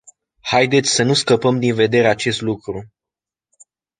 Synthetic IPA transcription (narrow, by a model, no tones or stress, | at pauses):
hajd̪e̞t̪sʲsənuskəpəmd̪inve̞d̪e̞ɾeat͡ʃe̞st̪lukɾu